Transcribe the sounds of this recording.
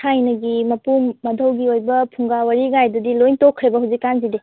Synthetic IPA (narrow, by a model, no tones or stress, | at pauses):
kʰajnɐɡimɐpumːɐdʱɐwɡiojbɐpʰuŋɡawɐɾiɡajdudilojntokʰːɾebɐɦawzikːanzide